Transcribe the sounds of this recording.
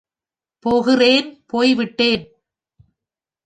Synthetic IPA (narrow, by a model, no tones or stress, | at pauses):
poːɣɪreːnpoːjʋɪʈːeːn